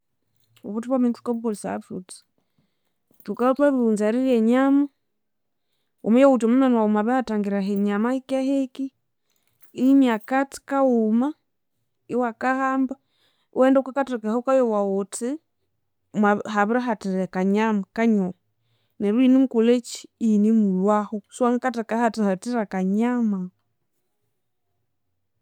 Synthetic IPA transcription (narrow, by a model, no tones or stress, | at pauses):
uβutuβwamintu̥kaβuɡɔlisa̰futi̥ | tukautwaβiunzaɾilɛɲama | o̰mujawutomumanwaumaβɛhataŋɡiɾaɦɛɲamaikahɛki | imiakati̥kauma | iwakahamba̰ | wɛndaukakatukahɔkajɔwaɔti | mahaβiɾaɦatiɾɛkaɲamakaɲɔ | nɛɾwinimukulet͡ʃi̥inimulwahɔswaŋakatakahatihatiɾakaɲama